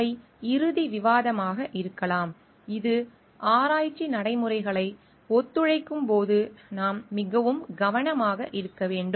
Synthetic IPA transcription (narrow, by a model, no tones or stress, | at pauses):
ɐɪ | ɪɾɯðiʋɪʋaːðɐmaːɣɐʔɪɾɯkːɐlaːm | ɪðɯ | ʔaːɾaːjt͡ʃːinɐɽɐɪmɯɾɐɪɣɐɭɐɪ | ɔt̪ːɯɻɐɪkːɯmpoːðɯnaːmːɪɣɐʋɯmɡɐʋɐɳɐmaːɣɐʔɪɾɯkːɐʋeːɳɖɯm